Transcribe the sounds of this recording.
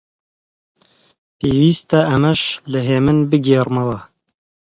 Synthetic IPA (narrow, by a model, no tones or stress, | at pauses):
peːwiːst̪ɛɐmɛʃlɨɦeːmɨnbɨɡeːrmɐwɐ